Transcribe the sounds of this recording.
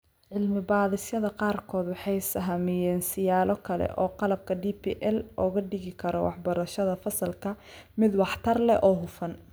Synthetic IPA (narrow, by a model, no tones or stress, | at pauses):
ʕɪlmɪbaːðɪsjɐðɐqɑːrkʰɔːd̪wɑħɑjsɐɦɐmɪjɛːnsɪjaːlɔkʰɐlɛ̰ʔɔːqɑlɐb̚kʰɐɖiːpʰḭːʔɛlʔɔːɣɐɖɪɣɪkʰɐɾɔwɑ̰ħbɐɾɐʃɐðɐfɐsɐlkʰɐ | mɪd̪wɑħt̪ʰɐrlɛʔɔːɦʊfɐn